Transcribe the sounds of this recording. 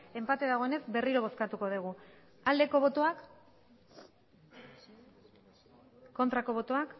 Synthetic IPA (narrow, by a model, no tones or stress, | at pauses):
e̞mpat̪e̞ðaɣ̞o̞e̞ne̞zbe̞riɾo̞βo̞skat̪uko̞ðeɣ̞u | ald̪e̞ko̞β̞o̞t̪oak | o̞nt̪ɾako̞β̞o̞t̪o̞ak